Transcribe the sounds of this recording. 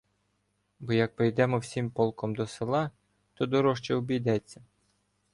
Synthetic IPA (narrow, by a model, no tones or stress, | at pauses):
bɔjɐk̚pɾejd̪ɛmɔwsʲimpɔlˠkɔmd̪ɔselˠɑ | t̪ɔd̪ɔɾɔʃt͡ʃɛʊbʲijd̪ɛt͡sʲːɐ